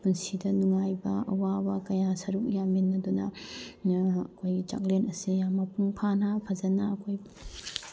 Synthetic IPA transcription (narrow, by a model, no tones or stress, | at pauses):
punsidɐnuŋajbɐɐwabɐkɐjasɐɾuk̚jaminːɐdunɐ | ɐkʰojɡit͡ʃa̰k̚lenɐsijamɐpuŋpʰanapʰɐzɐnɐɐkʰojp